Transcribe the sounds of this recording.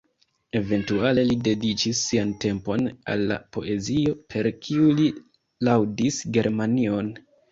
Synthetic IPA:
e̞ve̞ntuale̞lide̞dit͡ʃisːiante̞mpo̞na̰lːa̰po̞̰ʔe̞zio̞pʰe̞ɾkʰiuli | lawdisɡe̞ɾmanio̞n

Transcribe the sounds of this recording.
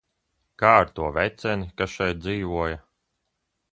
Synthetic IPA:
kaːɾt̪uɔvʲɛt̪sɛnikasʃɛjt̪̚d̪ziːvuɔja

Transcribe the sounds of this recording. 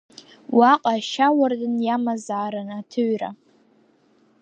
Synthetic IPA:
waqʼaʃawardɨnjamazaːɾanatʰɨɥra̰

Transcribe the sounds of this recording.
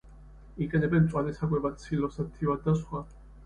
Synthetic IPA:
ikʼɛnɛbɛnt̪sʼwanɛsakʼwɛbasʰilɔsat̪ʰːivad̪d̪ːasχwa

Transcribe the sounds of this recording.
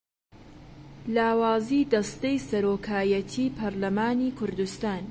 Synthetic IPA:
laːwaːziːd̪ɐst̪ejsɐɾoːkʰaːjɐt̪ʰiːpʰɐɾlɐmaːniːkʰʊɾd̪ust̪aːn

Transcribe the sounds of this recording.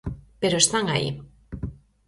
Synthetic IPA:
peɾost̪aŋaḭ

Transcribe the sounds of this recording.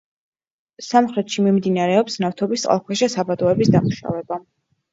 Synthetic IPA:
samχɾɛt̪ʃimimd̪inaɾɛɔpsnaft̪ʰɔbist̪ʼqʼa̰lˠkʰwɛʃɛsabad̪ɔɛbisd̪amuʃa̰vɛba

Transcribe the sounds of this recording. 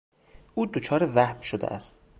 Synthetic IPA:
ʔuːd̪ot͡ʃʰɒːɾevæhbʃod̪ḛʔæst̪

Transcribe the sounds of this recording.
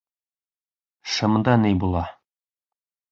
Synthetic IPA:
ʃɤ̆md̪ɑnɘjbulˠɑ

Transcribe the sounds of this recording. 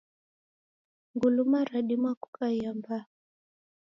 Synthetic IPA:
ŋɡulumaɾaɗimwaku̥kajamba

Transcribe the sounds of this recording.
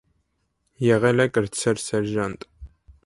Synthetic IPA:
jɛʁɐlɐkʼɨrt͡sʰɐrsɛrʒantʼ

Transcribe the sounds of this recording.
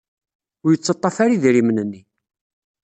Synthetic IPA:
ʊɾjət͡sːɑt̪ˤːɑfaɾiðiɾimnənːi

